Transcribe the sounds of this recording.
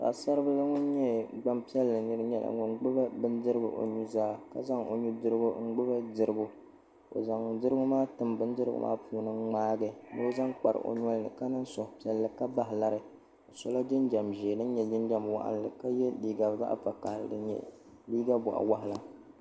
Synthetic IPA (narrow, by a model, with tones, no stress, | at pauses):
a̰˨sa˦ɾɨ˦bɨ˦la˦ŋɔ˦n˦ɲɛ˦ɡ͡ba˦mpi˦ɛ˦lːɨ˨nɨ˦ɾɨ˦ɲɛ˦lʔa̰˨ŋɔ˨ŋ˦ɡ͡bʊ˦ba˦bɨ˦ndɨ˦ɾɨ˦bɨ̰˨ʔo̰˨ɲu˦zaː˦˨ka˦za˦ŋo̰˨ɲu˦dɨ˦ɾɨ˦ɡʊ˦ŋ͡m̩˦ɡ͡bʊ˦ba˦dɨ˨ɾɨ˦ɡʊ˦ | o̰˨za˨ŋ˨dɨ˦ɾɨ˦ɡʊ˦maː˦tɨ˨mbɨ˦ndɨ˦ɾɨ̰˦ɡʊ̰˦mʔa̰ː˦puː˨nɨ˦ŋ͡maː˦ɡɨ˨nɨ˦o˦za˦ŋk͡pa˨ɾ̰ʔo̰˦ɲ˦ɔ˦lnɨ̰˨ka˦nɨ˦n˦sɔ˨hpi˨˦ɛ˦lːɨ˨ka˦ba˨ɦla˨ɾɨ˨ | o˨so˦la˦d͡ʒɪ˦nd͡ʒa˨mʒeː˨nɨ˦n˦ɲɛ˨d͡ʒɨ˦nd͡ʒa˦mwa̰˦˨ʔa̰˦n˨lɨ˨ka˦jɛ˦liː˦ɡa˨za̰˦ʔa̰˦pa˨ka˨hlɨ̰˨dɨ˨ɲɛ̰˦˨ | liː˦ɡa˦bɔ̰˨ʔa̰˨wa˦ɦɪ˨la˨